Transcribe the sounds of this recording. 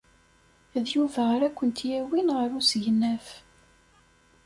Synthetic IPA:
æðjuvæɾækʷːənt̪jæwinʁəɾusʝənːæf

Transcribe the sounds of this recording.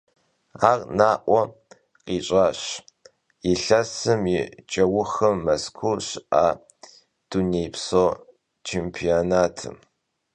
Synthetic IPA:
aːrnaːʔʷɔ | qiːɕʼaːɕ | ɪɬɐsɨmit͡ʃʼɐwʊxɐmːɐskʷʰʊlɕaː | d̥unejpsoː | t͡ʃʰeːmpʰionaːtʰɨ̰m

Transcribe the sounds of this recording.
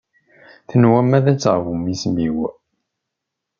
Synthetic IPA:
θənwæmːæðæt͡sːʁvumismiw

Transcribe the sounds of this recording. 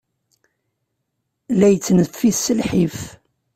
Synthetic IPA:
læjət͡sːnəfːiθsəlħif

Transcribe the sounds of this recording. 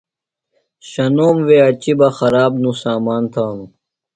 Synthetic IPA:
ɕɐnoːmʋeɐt͡ɕibɐxɐɾaːbnũsaːmaːnt̪ʰaːnũ

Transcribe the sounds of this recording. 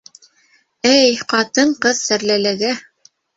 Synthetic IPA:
æjqɑt̪ɤɴqɤðsæɾlælæɡæ

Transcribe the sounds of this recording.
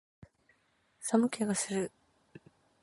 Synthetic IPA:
samɯ̟kʲeɡasɨɾɯ

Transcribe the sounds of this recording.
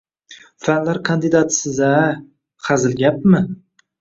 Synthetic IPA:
fanlaɾkʰand̪ɪd̪at̪ʰsɪza | χʰazɪlɡʲap̚mɪ

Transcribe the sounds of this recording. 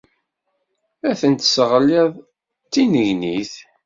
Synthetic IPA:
æθənt̪səʁəliðˤ | t̪ːinəʝniθ

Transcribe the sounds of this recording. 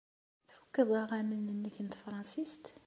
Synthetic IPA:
θfəkːəðˤɑʁænənənːəkːənt̪fɾˤɑnsist̪

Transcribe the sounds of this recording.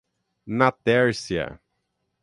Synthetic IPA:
nat̪ɛɾsiɐ̰

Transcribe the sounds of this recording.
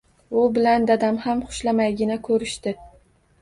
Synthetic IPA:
ʊbɪland̪ad̪amhamχʊ̥ʃlamajɡʲɪnakʰɵɾɪʃt̪ɪ

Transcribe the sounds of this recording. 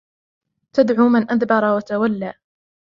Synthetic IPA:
t̪ad̪ʕuːmɪnʔaðbɑɾˤɑwat̪awalːaː

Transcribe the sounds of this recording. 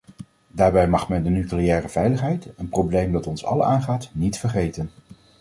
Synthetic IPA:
daːɹbɛjmɑχmɛndənyklejɛːrəv̥ɛjləχɦɛjtənprowblejmdɑtɔnsɑ̰lˠaːnχaːtnitfəɹχejtən

